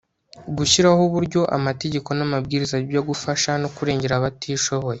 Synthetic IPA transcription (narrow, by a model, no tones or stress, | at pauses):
ɡuçiɾahoβuɾɟo̞ʔa̰mate̞ɟe̞ko̞namabɡiːɾizajoɡufaʃanokuɾe̞ːɲɟe̞ɾaβatʰiːʃo̞βo̞je